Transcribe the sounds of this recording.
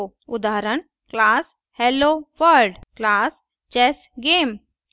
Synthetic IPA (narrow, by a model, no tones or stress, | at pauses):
o | ʊd̪aːɾəɳ | klaːs | heloʋəɾɖklaːs | t͡ɕɛsɡeːm